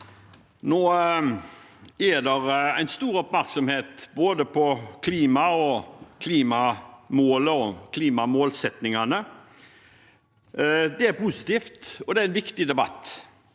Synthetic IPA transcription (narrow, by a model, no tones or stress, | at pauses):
noː | æd̪ɛɾæ̰ɪnst̪uːɾɔpmæɾksɔmheːt̪boːd̪əpʰɔkʰliːmɑɔkʰliːmɑmoːləɔkʰliːmɑmoːlsɛt̪nɪŋɑnə | d̪ɛæɾpusɪ̥t̪iːft̪ɔd̪ɛæɾɪnʋɪkt̪ɪd̪ɛbɑ̰t̪ː